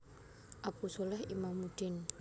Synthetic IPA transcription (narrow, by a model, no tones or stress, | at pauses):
ʔapusolɛhimamːud̥ɪn